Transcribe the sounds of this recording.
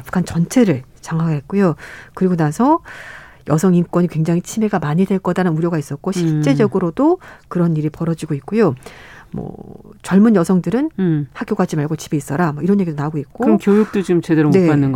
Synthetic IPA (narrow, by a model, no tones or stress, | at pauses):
p͈ʰu̥kʰant͡ɕʌnt͡ɕʰe̞ɾɯɭ | t͡ɕaŋɦaɡeɦet̚k͈ojokɯɾiɡonasʰʌ | jʌsʰʌŋink͈wʌɲikwe̞ŋd͡ʑaŋɦit͡ɕʰime̞ɡamaɲidwe̞ɭk͈ʌdaɾɯnuɾjʌɡais͈ʌt̚k͈oɕʰiɭt͡ɕ͈e̞d͡ʑʌɡɯɾodokɯɾʌnːiɾipʌɾʌd͡ʑiɡoit̚k͈ojomʌ̰t͡ɕʌɭmunjʌsʰʌŋdɯɾɯnhak͈joɡad͡ʑimaɭɡot͡ɕibe̞is͈ʌɾamʌiɾʌnje̞ɡidonaɡoit̚k͈oɾʌnkjojuk̚t͈od͡ʑimt͡ɕedeɾomne̞anːɯnɡ